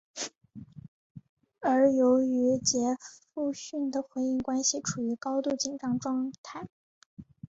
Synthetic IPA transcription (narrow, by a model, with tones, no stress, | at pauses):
ə˞˧˥jo˧˥ʊy˧˥t͡ɕjɛ˧˥fu˥˧ɕy˥˩nd̪ə˩xwe˧˥ɪi˥˩ŋkwa˥nɕi˨ʈ͡ʂʰu˨˩y˧˥kɑ˥ʊt̪u˥˩t͡ɕi˥˩ŋʈ͡ʂɑ˥ŋʈ͡ʂwɑ˥˧ŋt̪ʰa˥˩ɪ